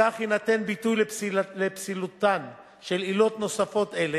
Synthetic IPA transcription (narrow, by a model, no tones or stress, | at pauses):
aχinat̪e̞nbitujllepsilut̪an | ʃe̞lilo̞t̪no̞safo̞t̪ele